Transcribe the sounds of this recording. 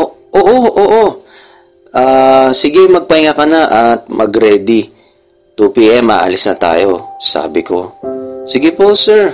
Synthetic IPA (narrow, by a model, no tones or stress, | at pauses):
ʔoʔoːʔo̞ʔoːʔo̞ | ʔaːsɪɡɛmɐɡ̚pɐɪŋɐkɐnaʔɐt̪̚mɐɡɾɛːd̪i | t̪upiːʔɛmːa̰ːʔɐ̰lɪsnɐt̪a̰ːjo̞sa̰ːbɪko̞̰sɪɡɪposɛɹ